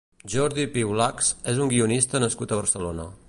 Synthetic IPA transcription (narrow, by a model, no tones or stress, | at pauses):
ʒɔɾðipiwlaksezuŋɡiunist̪ənəskut̪əβ̞əɾsəlonə